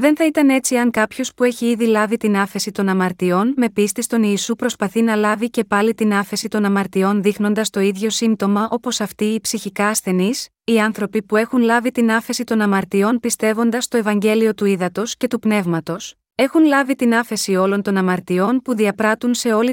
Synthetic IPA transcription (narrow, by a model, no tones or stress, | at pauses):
ðe̞nθɐit̪ɐne̞t͡siɐŋkɐpço̞spue̞çiiðilɐvit̪inɐfe̞sit̪o̞nɐmɐɾt̪io̞nme̞pist̪ist̪o̞niːsupɾo̞spɐθinɐlɐvice̞pɐlit̪inɐfe̞sit̪o̞nɐmɐɾt̪io̞nðixno̞nd̪ɐst̪o̞iðʝo̞simt̪o̞mɐʔo̞po̞sɐft̪iːpsiçikɐːsθe̞nis | iɐnθɾo̞pipue̞xunlɐvit̪inɐfe̞sit̪o̞nɐmɐɾt̪io̞npist̪e̞vo̞nd̪ɐst̪o̞evɐɲɟe̞lio̞t̪uiðɐt̪o̞sce̞t̪upne̞vmɐt̪o̞s | e̞xunlɐvit̪inɐfe̞sio̞lo̞nt̪o̞nɐmɐɾt̪io̞npuðiɐpɾɐt̪unse̞o̞li